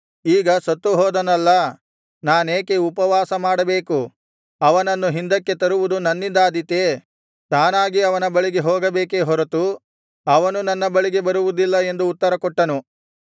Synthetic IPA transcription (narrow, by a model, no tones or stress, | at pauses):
iːɡɐsɐt̪ːuɦɔːd̪ɐnɐlːɐ | naːneːkeupɐʋaːsɐmaːɽɐbe̞ːku | ɐʋɐnɐnːuɦind̪ɐkːe̞t̪ɐɾuʋud̪unɐnːind̪aːd̪it̪e | t̪aːnaːɡiɐʋɐnɐbɐɭiɡe̞ɦɔːɡɐbe̞ːkeɦɔɾɐt̪u | ɐʋɐnunɐnːɐbɐɭiɡe̞bɐɾuʋud̪ilːɐe̞nd̪uːt̪ːɐɾɐkɔʈːɐnu